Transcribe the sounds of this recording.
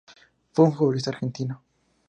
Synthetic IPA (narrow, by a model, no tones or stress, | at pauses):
fweunfuolis̬t̪aɾxent̪ina